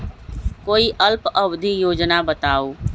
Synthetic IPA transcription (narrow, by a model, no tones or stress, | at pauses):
koːiʔəlpəbd̪ʱijoːd͡ʒnabət̪aːoː